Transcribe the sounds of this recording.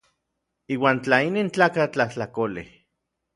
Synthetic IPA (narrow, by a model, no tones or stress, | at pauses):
iːwaːnt͡ɬainint͡ɬaːkat͡ɬaht͡ɬakolḛ